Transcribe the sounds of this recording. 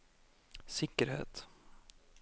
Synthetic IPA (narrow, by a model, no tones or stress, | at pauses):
sɪkəɾhḛːt̪